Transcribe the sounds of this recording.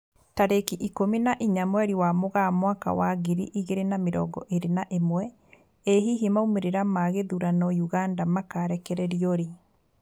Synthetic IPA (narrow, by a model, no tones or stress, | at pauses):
taɾekiʔikominaʔiɲamwɛɾiwamoɣamwaka̰waɣiɾḭʔiɣeɾenameɾɔ̰ɡɔ̰ʔeɾenaʔemwɛ | eɦiɦimaumeɾeɾamaɣeðuɾanɔjuɣandamakaɾɛkɛɾɛɾiɔɾe